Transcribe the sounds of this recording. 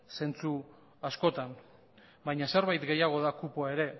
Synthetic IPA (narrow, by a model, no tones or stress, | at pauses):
se̞nt͡su | asko̞t̪an | bajɲase̞ɾβajt̪ɡe̞jaɣ̞o̞ð̞akupoae̞ɾe̞